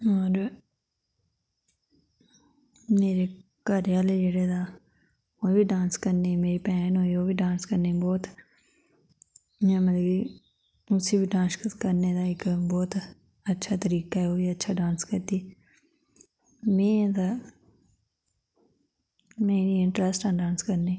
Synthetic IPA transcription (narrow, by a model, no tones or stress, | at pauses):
ɔːɾ | meːɾe | kaːɾjaːled͡ʒeːɽed̪aː | oːbʱiɖãːnskɐɾnemeːɾipɛːnɦoːioːbʱiɖãːnskɐɾnebɔːt̪ | mɛ̃mɐt̪ɡi | ʊsibʱiɖãːnskəɾned̪aːɪkbɔːt̪ | ətːʃʰat̪əɾiːkaɛoːiətːʃʰaɖãːnskəɾt̪iː | mẽːd̪aː | meːniɪ̃ɳʈɾəsʈãɖãːnskəɾneː